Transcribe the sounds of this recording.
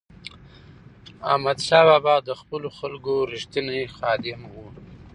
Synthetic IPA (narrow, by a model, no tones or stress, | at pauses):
amad̪ʃɑbɑbɑd̪əxpəloxalɡoɾiʃt̪ənexɑd̪ɪmwu